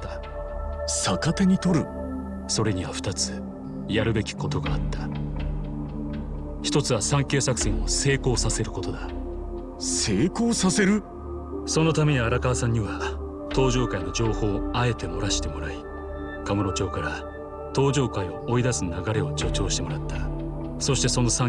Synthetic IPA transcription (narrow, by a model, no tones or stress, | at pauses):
a | sakat̪eɲ̟it̪o̞ɾɯ̟ | so̞ɾe̞ɲ̟iβaɸɯ̟̥t̪at͡sɨ̥ | jaɾɯ̟be̞kʲi̥ko̞t̪o̞ɡaːt̪ːa | çi̥t̪o̞t͡sɨβasãŋke̞ːsakɯ̟̥sĩɰo̞se̞ːko̞ːsase̞ɾɯ̟ko̞t̪o̞d̪a | se̞ːko̞ːsase̞ɾɯ̟ | so̞no̞t̪ame̞ɲiaɾakasãɲ̟ːiβa | t̪o̞ːʑo̞ːkaino̞d͡ʑo̞ːho̞ːae̞t̪e̞mo̞ɾaɕi̥t̪e̞mo̞ɾai | kamoɾo̞t͡ɕo̞ːkaɾa | t̪o̞ːʑo̞ːkaio̞ʔːid̪asɨnaɡaɾe̞o̞t͡ɕo̞t͡ɕo̞ːɕi̥t̪e̞mo̞ɾat̪ːa | so̞ɕi̥t̪e̞so̞no̞sã